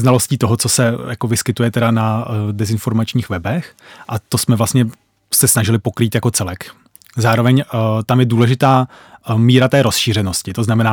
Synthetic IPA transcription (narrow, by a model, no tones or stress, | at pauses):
znalo̞sciːt̪o̞ɦo̞t͡so̞sɛjako̞vɪskɪt̪ujɛt̪ɛdanadɛzɪnfo̞ɾmat͡ʃɲiːxvɛbɛxʔat̪o̞smɛvlast̪ɲɛ | sɛsnaʒɪlɪpo̞kɾiːt̪jako̞t͡sɛlɛk | zaːɾo̞vɛɲt̪amjɛduːlɛʒɪt̪aː | miːɾat̪ɛːɾo̞sʃiːr̝ɛnoscɪt̪o̞znamɛnaː